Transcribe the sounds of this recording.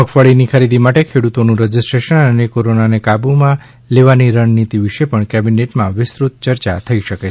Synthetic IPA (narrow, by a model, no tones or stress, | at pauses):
məkʰfəɭinikʰəɾid̪imaʈekʰeɽut̪onũɾəd͡ʒɪsʈɾeʃənənekoɾonanekabumã | leʋaniɾəɳnit̪iʋɪʃepəɳkɛbineʈmãʋɪsɾut̪̚t͡ʃəɾt͡ʃa̰t̪ʰəiʃəkee